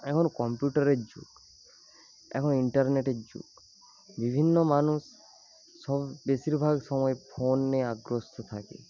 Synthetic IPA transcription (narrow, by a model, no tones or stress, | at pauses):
ɛkʰɔnɔkɔmpjuʈaɾed͡ʒṵk | ɛ̰kʰɔniɳʈaɾneʈed͡ʒṵk | bibʱinːɔmanusː | ɔbesiɾbʱaɡsɔmɔepʰonːeaɡɾost̪ʰɔt̪ʰakḛ